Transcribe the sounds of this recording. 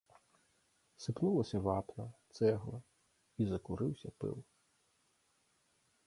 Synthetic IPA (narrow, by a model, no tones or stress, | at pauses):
sɪpnulˠɐsʲɐʋɑpnɐt̪sɛɦlˠɐ | izɐkʊɾɪwsʲɐpɪ̰lˠ